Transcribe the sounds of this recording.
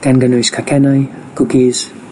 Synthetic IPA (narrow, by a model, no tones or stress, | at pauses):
ɡ̥anɡənujskʰakʰɛnajɡ̥ukiz̥